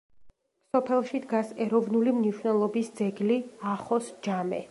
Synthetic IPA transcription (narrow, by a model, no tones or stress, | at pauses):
sɔpʰɛlˠʃid̪ɡasɛɾɔvnulimniʃwnɛlˠɔbisd̪zɛɡliaχɔsd͡ʒamɛ̰